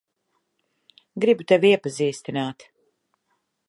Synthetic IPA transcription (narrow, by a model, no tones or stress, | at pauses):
ɡɾibut̪ɛviɛpaziːst̪inaːt̪